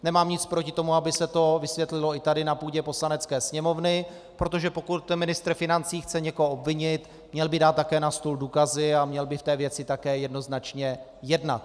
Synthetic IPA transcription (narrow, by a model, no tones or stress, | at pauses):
nɛmaːmɲɪt͡spɾo̞cɪt̪o̞muabɪsɛt̪o̞vɪsvjɛt̪lɪlo̞ɪt̪adɪnapuːɟɛpo̞slanɛt͡skɛːsɲɛmo̞vnɪ | pɾo̞t̪o̞ʒɛpo̞kut̪mɪnɪst̪ɾfɪnant͡siːxt͡sɛɲɛko̞ɦoʔobvɪɲɪt̪ | mɲɛlbɪdaːt̪ːakɛːnast̪ulduːkazɪamɲɛlbɪft̪ɛːvjɛt͡sɪt̪akɛːjɛdno̞znat͡ʃɲɛ | jɛdna̰t̪̚